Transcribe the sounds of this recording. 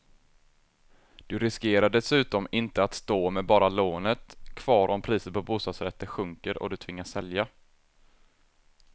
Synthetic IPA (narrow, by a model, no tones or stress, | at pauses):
d̪̥ɵɾɪskeːɾaɖɛsʉ̟ːt̪ɔmɪnt̪əat̪st̪oːmɛbɑːɾaloːnət̪kʰv̥ɑːɾʔɔmpʰɾiːsət̪pʰɔbuːst̪ɑːd̪sɾɛt̪ːəɧɵŋkəɾɔ̰d̪ɵt̪ʰvɪŋːaʂɛlja